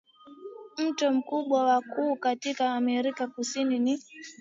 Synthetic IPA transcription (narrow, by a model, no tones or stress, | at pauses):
m̩tɔm̩kuɓwawakuːkatikaːmɛɾikakusinini